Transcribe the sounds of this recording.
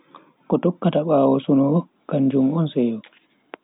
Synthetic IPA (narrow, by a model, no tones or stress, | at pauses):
kɔtɔkːataɓaːwɔsunɔɔ | kand͡ʒumɔnsɛjɔ